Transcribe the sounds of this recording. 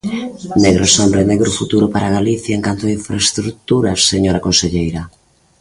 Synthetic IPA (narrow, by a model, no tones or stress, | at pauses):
neɣɾosɔmbɾeneɣɾʊfut̪uɾʊpaɾaɣ̞aliθjaeŋkant̪oaiɱfɾaest̪ɾut̪uɾaseɲoɾakonseʎejɾa